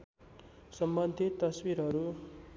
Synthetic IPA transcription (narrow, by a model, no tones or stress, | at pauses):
sʌmbʌnd̪ʱit̪ːʌswiɾɦʌɾu